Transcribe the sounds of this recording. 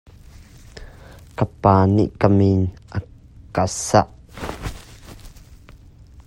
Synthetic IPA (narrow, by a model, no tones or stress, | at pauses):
kəpaːnḭʔkəminʔə | kasaʔ